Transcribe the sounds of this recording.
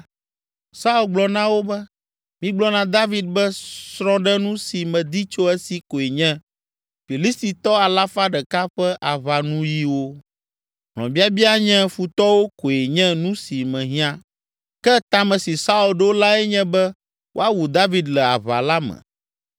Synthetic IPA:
sa˦u˦lɡ͡blɔ˨nã˦wo˦bɛ˦ | mĩ˦ɡ͡blɔ˦nã˨d̪a˦vi˦d̪̚bɛ˦sɾɔ̃˦ɖɛ˦nũ˦si˨mɛ̃˨d̪i˦t͡ʃo˦ɛ˦si˨ko˨e˨ɲɛ̃˦ | fi˨li˦st̪i˨t̪ɔ˦a˨la˦fa˦ɖɛ˨ka˦ɸɛ˦ʔa˨βa˨nũ˦ji˦wo˦ | ɦl̃ɔ̰̃˨bi˦a˦bi˦a˦ɲɛ̃˦fu˨t̪ɔ˦wo˦ko˨e˨ɲɛ̃˦nũ˦si˨mɛ̃˨ɦĩ˦ã˦ | kɛ˦t̪ã˨mɛ̃˨si˨sa˦u˨lɖo˦la˦ɛ˦ɲɛ̃˦bɛ˦ | wʔo̰˦a˦wu˨d̪a˦vi˦d̪lɛ˨a̰˨βa̰˨la˦mɛ̰̃˨

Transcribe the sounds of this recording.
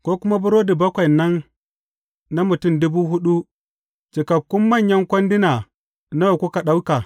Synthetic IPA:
kʷoː˦kʷʊ˦ma˦bʊ˦ɾoː˦di˨bɐ˦kʷɐ˨jnːɐ˦n | na˦mʊ˨tʊ˦˨mdʊ˦buː˦ɦʊ˦ɗu˦ | t͡ʃɪ˨kɐ˨kʷːʊ˦mːɐ˦˨ɲjɐ˦ŋkʷɐ˦ndɪ˦naː˨ | na˦wa˨kʷʊ˦ka˨ɗa˦wka˨

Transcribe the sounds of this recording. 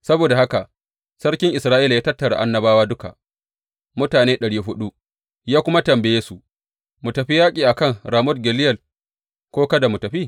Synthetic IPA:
sɐ˦boː˨da˨ha˦ka˨ʔ | sɐ˦ɽkʲɪ˦ŋʔɪ˨sɾaː˦ʔiː˦la˨jaː˦tɐ˦tːɐ˨ɽa̰˨ʔa̰˦nːɐ˦baː˦waː˦dʊ˦ka̰˨ʔ | mʊ˦taː˨neː˦ɗɐ˨ɽiː˦ɦʊ˦ɗu˦ | jaː˦kʷʊ˦ma˦tɐ˨mbɛ˨jeː˦su˨ | mʊ˨tɐ˨ɸi˦jaː˦kʲʼiː˨ʔa˨kɐ˦˨ŋɾaː˨mʊ˦d̚ɡʲɛ˨lɪ˦jɛ˨l | kʷoː˦kɐ˦da˨mʊ˨tɐ˨ɸiː˦˨

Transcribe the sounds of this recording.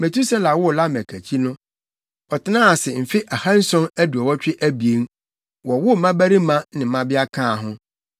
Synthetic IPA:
mɛ̃˨tʰu˦sɛ˦la˨wʊ˦˨la˦mæ˨kʰæ˨t͡ɕʰi˦nʊ̃˦ | ɔ˨tʰɪ˦nãː˦˨sɪ˨m̩˨fɪ˦ʔa˨hã˦n̩˦sɔ̃˦næ˦du˨ɔ˨wɔ˦t͡ɕᶣɪ˦ʔæ˦bi˨e˨˦n | wɔ˨wʊ˦˨mã˦bæ˦ɾi˦mã˦nɪ̃˨m̩˨mã˦bɪ˦a˦kʰãː˦˨ɦʊ̃˦

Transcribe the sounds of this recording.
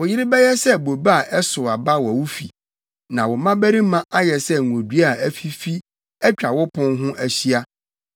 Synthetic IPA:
wʊ˨jɪ˦ɾɪ˦bɛ˦jɛ˦sɛ˦bo˨ba˦a˨ʔɛ˦sʊ˨a˨ba˦wɔ˨wu˦fḭ˨ | nã˨wɔ˨mã˦bæ˦ɾi˦mã˦ʔa˦jɛ˨sɛ˦˨o˨dɥa˨æ˦fi˦fi˦ | ɛ˦t͡ɕᶣa˨wʊ˦pʰʊ̃˦nɦʊ̃˦ʔæ˨ɕi˦a˦

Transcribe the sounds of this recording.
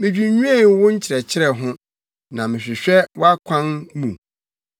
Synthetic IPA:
mɪ̃˨d͡ʑᶣi˨ɲũ˦ɛ̃˦˨˦wʊ̃˦ɲ̩˦t͡ɕʰɪ˨ɾɛ˨t͡ɕʰɪ˦ɾɛ˨ɦʊ̃˦ | nã˨mɪ̃˨ɕᶣɪ˨ɕᶣɛ˦wɔ˦a˦kʷʰã˦nmũ˨

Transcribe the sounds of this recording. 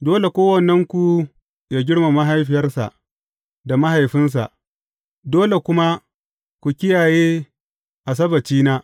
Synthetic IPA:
doː˦le˨kʷoː˦wɐ˨nːɛ˦ŋkʷu˨ | jaː˦ɡʲɪ˦ɽma˨ma˦ɦa˦jɸɪ˨jɐ˦rsa̰˨ʔ | da˨ma˦ɦa˨jɸɪ˦ns̬a̰˨ʔ | doː˦le˨kʷʊ˦ma˦ | kʷu˨kʲɪ˦jaː˨jeː˦ | ʔa˨s̬ɐ˦bɐ˨t͡ʃiː˦naː˦

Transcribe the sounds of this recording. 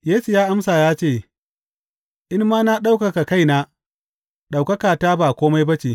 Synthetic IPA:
jeː˦su˨jaː˦ʔa˦msaː˨jaː˦t͡ʃeː˦˨ | ʔɪ˦mːaː˦na˦ɗa˦wkɐ˨ka˨ka˦˨jnaː˦ | ɗa˨wkɐ˦kaː˨taː˦baː˨kʷoː˦ma˦jbɐ˦t͡ʃeː˨

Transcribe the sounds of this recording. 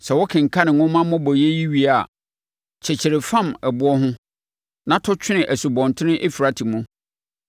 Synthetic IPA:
sɛ˨wɔ˦kʰɪ̃˨ŋ̩˨kʰa˦nɪ̃˨ŋʊ̃˦mã˦mʊ̃˦bɔ˨je˦ji˦ɥi˦a˨ | t͡ɕʰɛ˨t͡ɕʰɪ˨ɾɪ˨fã˦mɛ˨bʊ˦ɔ˦ɦʊ̃˦ | nã˦tʰɔ˦t͡ɕʰᶣɪ˦nɪ̃˨ʔæ˨su˨bɔ̃˨n˨tʰɪ̃˦nɪ̃˦ʔe˦fi˨ɾa˦tʰi˨mũ˦

